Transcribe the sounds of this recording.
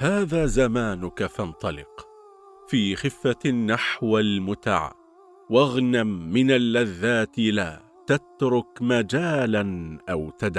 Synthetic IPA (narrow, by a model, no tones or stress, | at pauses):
haːðaːzamaːnʊkafɑnt̪ˤɑlɪ̰q | fiːxɪfːanːaħwalmʊt̪a̰ʕ̰ | waɣnamːɪnalːaðːaːt̪laː | t̪at̪ɾʊkmad͡ʒaːlanʔawt̪ad̪ʕ